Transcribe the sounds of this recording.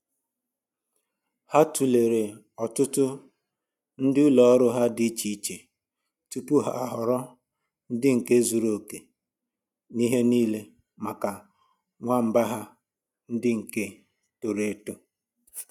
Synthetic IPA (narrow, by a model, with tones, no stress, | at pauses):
ha˦tu˨le˨ɾe˨ | ɔ˨tʊ˦tʊ˦ | n̩˦dɪ˦ʊ˦lɔ˨˦ɾʊ˦ɦa˦dɪ˦t͡ʃi˦t͡ʃe˨ | tu˦pu˦ɦa˦˨a˨ɦʊ˨ɾɔ˦ | n̩˦dɪ˦ŋ̩˨ke˦zu˨ɾo˨ke˨ | ni˦ɦe˦niː˦le˦ | ma˨ka˨ | ŋʷa˦m̩˨ba˦ɦa˦ | n̩˦dɪ˦ŋ̩˨ke˦ | to˨ɾe˨˦to˦